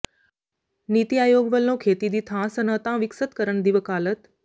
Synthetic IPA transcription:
nit̪iaːjoːɡʋəlnõːkʰeːt̪id̪it̪ʰãːsənət̪ãːʋɪksət̪kəɾəɳd̪iʋəkaːlət̪

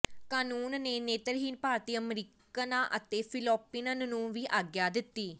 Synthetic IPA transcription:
kaːnuːnneːneːt̪əɾɦiːnpaːɾt̪iːəmɾiːk | ənãːʔət̪eːpʰɪlɔːpiːnənnũːʋiːʔaːɡjaːd̪ɪt̪ːiː

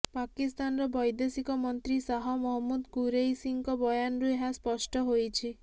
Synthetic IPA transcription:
pakist̪anɾɔbɔjd̪esikɔmɔnt̪ɾisaɦɔmɔɦɔmːud̪kuɾejsiŋkɔbɔjanɾueɦaspɔsʈɔɦojt͡ʃʰi

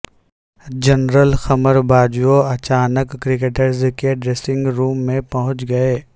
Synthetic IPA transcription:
d͡ʒɐnɾəlxɐməɾbaːd͡ʒuoɐt͡ʃaːnəkːɾɪk̬eːʈəɾzkeɖɾeːsɪ̃ŋɡɾuːmːẽpɐɦʊ̃t͡ʃɡɐeː

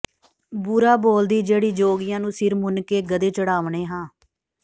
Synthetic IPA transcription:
bʊɾaːboːld̪iːd͡ʒeːɽiːd͡ʒoːɡɪjãːnũːsɪɾmʊnkeːɡəd̪eːt͡ʃəɽaːʋɳeːɦãː

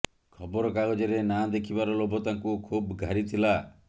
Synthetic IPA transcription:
kʰɔbɔɾɔkaɡɔd͡ʒɔɾenad̪ekʰibaɾɔlobɔt̪aŋkukʰubɡʱaɾit̪ʰila

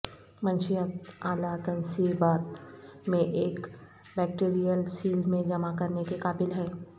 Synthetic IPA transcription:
mɐ̃nʃijət̪aːlat̪ənsibaːt̪mẽʔeːk | bɛːk̚ʈeːɾijəlsiːlmẽd͡ʒɐmakɐɾnekekaːbɪlɦɛː

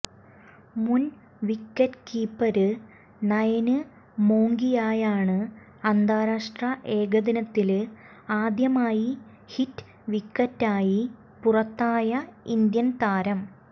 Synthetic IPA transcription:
mun | ʋikːɐtkiːpːɐɾɨ | nɐjɐnɨ | moːŋɡijaːjaːɳɨ | ɐnd̪aːɾaːʂʈrɐʔe̞ːɡɐd̪inɐt̪ːil | aːd̪jɐmaːji | hitː | ʋikːɐtːaːji | purɐt̪ːaːjɐind̪jɐnt̪aːɾɐm

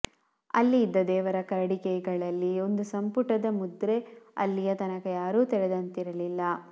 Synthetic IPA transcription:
ɐ̰lːiːd̪ːɐd̪ɛːʋɐɾɐkɐɾɐɽikɛɡɐɭɐlːio̞nd̪usɐmpuʈɐd̪ɐmud̪ɾe̞ɐ̰lːijɐt̪ɐnɐkɐjaːɾuːt̪ɛɾɛd̪ɐnt̪iɾɐlilːɐ

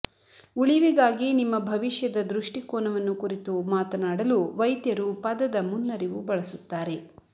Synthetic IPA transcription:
uɭiʋiɡaːɡinimːɐbʱɐʋiʂjɐd̪ɐd̪ɾuʂʈikoːnɐʋɐnːukuɾit̪umaːt̪ɐnaːɽɐluʋɐjt̪jɐɾupɐd̪ɐd̪ɐmunːɐɾiʋubɐɭɐsut̪ːaːɾe̞

